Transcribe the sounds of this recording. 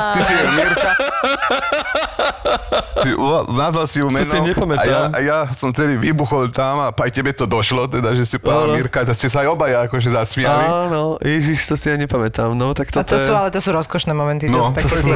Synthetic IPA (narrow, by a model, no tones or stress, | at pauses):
t̪isiɛmiɾka | inazʋalsiumɛniɲɛpamɛtaajamjasɔmft̪ɛd̪iʋibuxɔlt̪amapajcɛbɛt̪ɔd̪ɔʃlɔt̪ɛd̪aʒɛsipaamiɾkat̪ascɛs̬aajɔbajaːkɔʒɛzasmɪalinɔjɛʒiʃt̪ɔsijaɲɛpamɛt̪amnɔt̪akt̪ɔt̪ɔsɛuːalɛt̪ɔsuːɾɔskɔʃnɛːmɔmɛ̃nt̪inɔt̪a